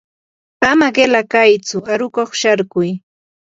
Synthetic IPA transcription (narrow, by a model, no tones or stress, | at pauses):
amaɢɪlakajt͡sʊaɾʊkoχʃaɾkʊj